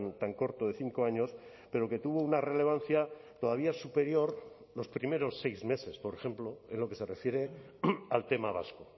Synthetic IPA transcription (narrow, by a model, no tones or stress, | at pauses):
nt̪aŋko̞ɾt̪oðe̞θiŋko̞aɲo̞s | pe̞ɾo̞ke̞t̪uβo̞unare̞le̞β̞anθjat̪o̞ð̞aβ̞iasupe̞ɾjo̞ɾ | lo̞spɾime̞ɾo̞sːe̞jzme̞se̞spo̞ɾexe̞mplo̞enlo̞ke̞se̞re̞fje̞ɾe̞ | alt̪e̞maβa̰sko